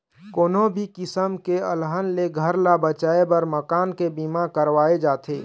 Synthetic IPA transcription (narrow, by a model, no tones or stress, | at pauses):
koːnõbʱikɪsəmkeə̰lɦənleɡʱəɾlabət͡ʃaːebəɾməkaːnkebimakəɾʋaːed͡ʒaːt̪ʰḛː